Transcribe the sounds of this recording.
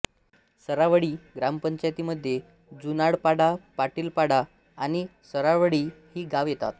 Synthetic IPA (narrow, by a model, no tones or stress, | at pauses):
səɾaʋəɽiːɡɾampəɲt͡ɕajt̪iːməd̪ʱːje | d͡zunaɽpaɽapaʈiːlpaɽaː | ɽ̃isəɾaʋəɽiːhiːɡaʋjet̪a̰t̪